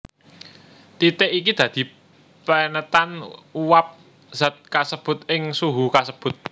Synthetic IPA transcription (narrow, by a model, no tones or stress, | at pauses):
t̪it̪ɪʔik̬id̪̥ä̤d̪̥i̤ | pənət̪anuwap̚ | z̥at̪̚kasəb̥ʊ̤t̪̚ɪŋsuɦukasəb̥ʊ̤t̪̚